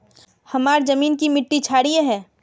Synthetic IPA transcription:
hɐmaːɾd͡ʒɐmiːnkimɪʈːit͡ʃʰaːɽieɦɛ̃ː

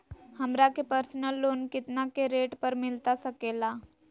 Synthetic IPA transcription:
həmɾakepəɾsnəlːoːnkɪt̪nakeɾeːʈpəɾmɪlt̪asəkela

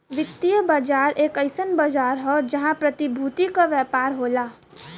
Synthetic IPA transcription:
ʋɪt̪ːijəbaːd͡ʒaːɾeːkəɪsənbaːd͡ʒaːɾɦɛd͡ʒɐɦãpɾət̪ibʱuːt̪ikaʋjɛːpaːɾɦoːlaː

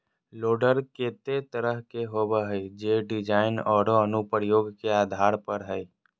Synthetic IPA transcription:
loːɖəɾkeːt̪et̪əɾəɦkeɦobəɦɛid͡ʒeːɖɪd͡ʒaːɪnɔːɾoənupɾəjoːɡkeaːd̪ʱaːɾpəɾɦɛj

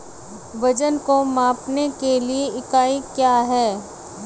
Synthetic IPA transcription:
ʋɐd͡ʒənkomãːpnekelieɪkaːikjaːɦɛː

